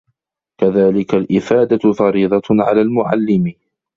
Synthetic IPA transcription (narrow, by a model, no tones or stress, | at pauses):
kaðaːlɪkalʔɪfaːd̪afɑɾiːðˤɑʕa̰laːlmʊʕa̰lːɪmɪ